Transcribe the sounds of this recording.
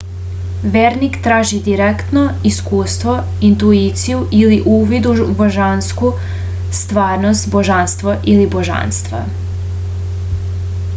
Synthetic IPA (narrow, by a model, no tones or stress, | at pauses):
ʋeːɾnikt̪ɾaːʒid̪iɾekt̪noiskuːst̪ʋo | int̪uit̪sijuʔiliʔuːʋid̪uboʒansku | st̪ʋaːɾnost̪boʒanst̪ʋoʔiliboʒa̰nst̪ʋa̰